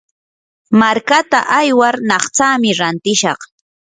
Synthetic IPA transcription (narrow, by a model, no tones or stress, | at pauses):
maɾkat̪a̰ʔajwaɾnɑχt͡saːmɪɾant̪ɪʃɑχ